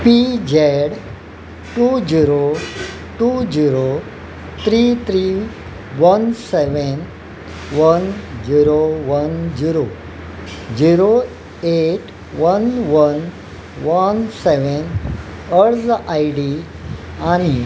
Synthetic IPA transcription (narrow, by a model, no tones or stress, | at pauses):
pid͡ʑeɽ | ʈud͡ʑiɾo | ʈud͡ʑiɾo | t̪ʰɾit̪ʰɾi | ʋənseʋən | ʋənd͡ʑiɾoʋənd͡ʑiɾo | d͡ʑiɾo | eʈ | ʋənʋən | ʋənseʋənəɽd͡zajɖi | aɽ̃i